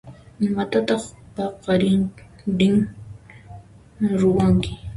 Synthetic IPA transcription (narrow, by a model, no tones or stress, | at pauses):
ɪmat̪at̪ɑχpɑqɑɾɪŋ | ɾɪŋ | ɾowaŋkɪ̥